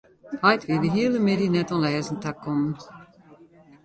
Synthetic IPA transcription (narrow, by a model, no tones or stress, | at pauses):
hajtvʋiːdəɦiəlˠəmedinɛtɔ̃nlɛːzəntakːɔmən